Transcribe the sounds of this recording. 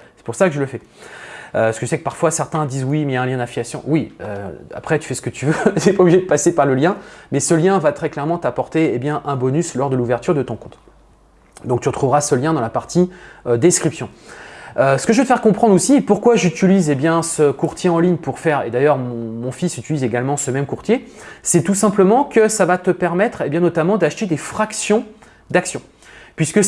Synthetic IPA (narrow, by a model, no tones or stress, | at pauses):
sɛ̥puʁsakəʒələfɛ | øsə̥kəʒsɛkəpaʁfwasɛʁt̪ɛ̃d̪izwimɛjaɛ̃ljɛ̃d̪ãfiasjɔ̰̃wiø̰a̰pχɛt̪y̥fɛsə̥kət̪ʰyvøt̪yɛpaubliʒed̪əpasepaʁləljɛ̃mɛsəljɛ̃vat̪χɛklɛʁmɑ̃t̪apɔʁt̪eebjɛ̃ʔɛ̃bɔnyslɔʁd̪əluvɛʁt̪yʁd̪ət̪ɔ̃kɔ̃t̪ | d̪ɔ̃kt̪yʁət̪χuvʁasəljɛ̃d̪ɑ̃lapaʁt̪ʰiød̪ɛskχipsjɔ̃ | øsə̥kəʒəvəøt̪əfɛʁkɔ̃pχɑ̃d̪ʁosipuʁkwaʒyt̪ilizebjɛ̃səkuʁt̪jeɑ̃liɲpuʁfɛʁḛd̪ajœʁmɔ̃mɔ̃fisyt̪ilizeɡalmɑ̃səmɛmkuʁt̪jesɛt̪usɛ̃pləmɑ̃kəsavat̪əpɛʁmɛt̪χebjɛ̃nɔt̪amɑ̃d̪aʃt̪ed̪efχaksjɔ̃ | d̪aksjɔ̃ | pɥiskə